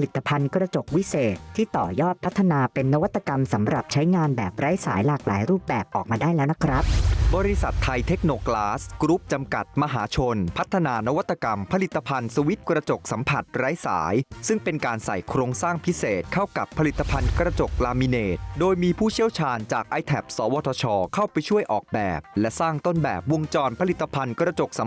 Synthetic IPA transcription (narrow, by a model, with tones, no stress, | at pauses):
li˨˩t̪ːa˧pʰa˧nkɾa˧t͡ɕo˨˩k̚wi˦˥seː˨˩t̪ʰːiː˥˩t̪ɔː˨˩jɔː˥˩t̪̚pʰt̪ʰːa˧naː˧pe˧nːa˦˥wa˦˥t̪ʰːa˧ka˧msa˩˦mɾa˨˩p̚t͡ɕʰa˦˥jŋaː˧nbɛː˨˩p̚ɾa˦˥jsa̰ː˩˦jlaː˨˩k̚la̰ː˩˦jɾuː˥˩p̚bɛː˨˩p̚ʔɔː˨˩k̚maː˧daː˥˩jlɛː˦˥wna˦˥kʰɾa˦˥p̚bɔː˧ɾi˦˥sa˨˩t̪ʰːa˧jt̪ʰe˦˥k̚noː˧klaː˦˥skɾu˦˥p̚t͡ɕa˧mka̰˨˩t̪̚ma˧ɦa̰ː˩˦t͡ɕʰo˧npʰa˦˥t̪ʰːa˧naː˧na˦˥wa˦˥t̪ːa˧ka˧mpʰa˧li˨˩t̪ʰːa˧pʰa˧nsu˧wi˦˥t̪̚kɾa˧t͡ɕo˨˩k̚sa˩˦mpʰa˨˩t̪̚ɾa˦˥jsa̰ː˩˦jsɯ˥˩ŋpe˧nkaː˧nsa̰˨˩jkʰɾoː˧ŋsaː˥˩ŋpʰi˦˥seː˨˩t̪̚kʰa˥˩wka˨˩pʰːa˧li˨˩t̪ʰːa˧pʰa˧nkɾa˧t͡ɕo˨˩k̚laː˧mi˧neː˨˩t̪̚doː˧jmiː˧pʰuː˥˩t͡ɕʰi˥˩əwt͡ɕʰaː˧nt͡ɕaː˨˩k̚ʔa˧jt̪ʰɛ˨˩p̚sɔː˩˦wɔː˧t̪ʰɔː˧t͡ɕʰɔː˧kʰa˥˩wpa˧jt͡ɕʰu˥˩əjʔɔ̰ː˨˩k̚bɛː˨˩p̚lɛ˦˥ʔsaː˥˩ŋt̪o˥˩nbɛ̰ː˨˩p̚wu˧ŋt͡ɕɔː˧npʰa˧li˨˩t̪ːa˧pʰa˧nkɾa˧t͡ɕo˨˩k̚sa˩˦m